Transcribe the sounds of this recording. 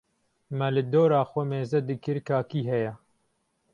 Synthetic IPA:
mɛlɨd̪oːɾaːxʷomeːzɐd̪ɨkɨɾkʰaːkiːɦɛjɛ

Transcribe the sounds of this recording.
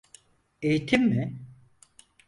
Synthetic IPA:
ejit̪ʰimːɪ

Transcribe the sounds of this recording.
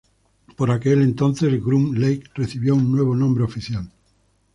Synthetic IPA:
po̞ɾake̞le̞nt̪o̞n̟θe̞sɣɾumlejkreθiβjounːwe̞β̞onõmbɾeofiθjal

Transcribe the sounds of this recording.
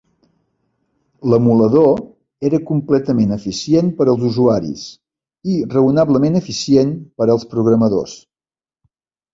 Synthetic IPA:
ləmuləðo | eɾəkumplɛt̪əmenəfisienpəɾəlˠzuzuaɾḭs | irəunaβləmenəfisienpəɾəlˠspɾuɣɾəməðo̰s

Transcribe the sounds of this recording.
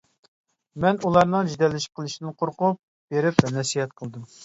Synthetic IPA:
mɛnulˠɑɾnɨŋd͡ʒid̪ɛlːɪʃi̥p̚qʰəlˠɨʃinɨnqʰoɾqʊp̚ | b̥eɾɪpnɛsiɦɛt̪̚qʰəlˠd̪ɨm

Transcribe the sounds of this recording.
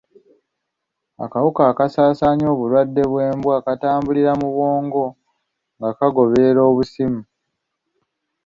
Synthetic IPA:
a̰kawukaːkasaːsaːɲo̞ːβulwadːe̞βwe̞ːmbwaːkataːmbuliɾamuβo̞ːŋɡo̞ | ŋɡakaɡo̞βeːɾo̞ːβusimu

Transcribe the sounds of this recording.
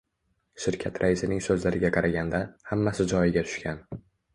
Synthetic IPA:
ʃɪɾkʲʰat̪ʰɾʔaɪsɪnɪŋsɵzlaɾɪɡʲaqʰɑɾaɡʲand̪ahamːasɪd͡ʒɒjɪɡʲat̪ʰʊ̥ʃkʲʰan

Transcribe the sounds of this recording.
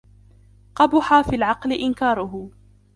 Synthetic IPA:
qɑbʊħaːfiːlʕɑqlɪʔɪnkaːɾˤʊɦʊ

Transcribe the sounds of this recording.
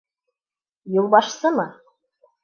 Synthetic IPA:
jŭlˠbɑʃsɤmɤ

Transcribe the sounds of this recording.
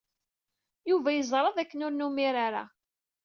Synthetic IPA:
juvæjəzˤɾˤɑðˤækːənʊɾnumiɾaɾa̰

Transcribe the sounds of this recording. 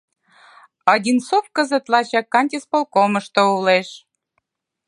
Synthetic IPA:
ɑdʲinsofkəzə̆t̪lɑt͡ɕɑkːɑnʲt̪ʲespolkomə̆ʃt̪ouleʃ

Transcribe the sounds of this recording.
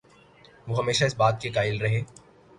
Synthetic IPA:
ʋoːɦɐmeːʃaɪsbaːt̪̚kekaːɪlɾɐɦẽː

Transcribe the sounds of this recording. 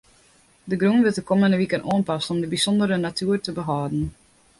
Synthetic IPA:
dəɡrunʋɪtəkɔməndəʋikənʔoənpɑsɔmdəbisɔndəɾənatyːərtəbəɦɔːdn̩

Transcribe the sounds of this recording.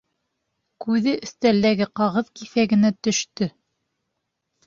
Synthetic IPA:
kʉðɘʔɵ̆θt̪æld̪æɡɘqɑʁɤðkiθæɡɘ̆næt̪ɵ̆ʃt̪ɵ

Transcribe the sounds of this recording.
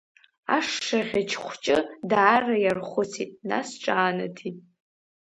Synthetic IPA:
a̰ʂːaʁʲat͡ʃʰχʷt͡ʃʼɨdaːrajarχʷʊt͡sʰitʼna̰sʈ͡ʂʼaːnatʰitʼ

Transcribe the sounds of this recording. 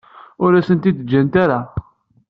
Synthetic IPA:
ʊɾæsənt̪id̪d͡ʒːænt̪aɾa

